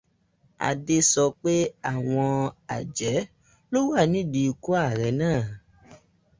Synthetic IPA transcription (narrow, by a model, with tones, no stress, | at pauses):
a̰˨de˧sɔ˧k͡pe˦a˦˨w̃ɔ̃˧a̰˨d͡ʒɛ˨˦ | lo˦wa˦˨nĩ˨˦˨di˧˨˧ku˦a˦˨ɾɛ˨˦nãː˦˨